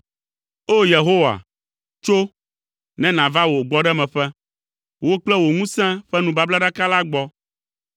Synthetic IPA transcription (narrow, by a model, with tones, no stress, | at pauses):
o˦je˨ɦo˦wa̰˨ | t͡ʃo˦ | nɛ̃˦nã˨va˦wo˨ɡ͡bɔ˦ɖɛ˦mɛ̃˨ɸɛ˦ | wo˦k͡plɛ˦wo˨ŋũ˦sɛ̃˦ɸɛ˦nũ˨ba˦bla˦ɖa˦ka˦la˦ɡ͡bɔ˦